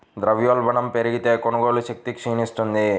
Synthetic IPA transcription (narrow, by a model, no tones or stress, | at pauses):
d̪ɾɐʋjoːlbɐɳɐmpeɾiɡit̪e̞ːkonɐɡo̞ːluʃɐk̚t̪ikʂiːnist̪und̪i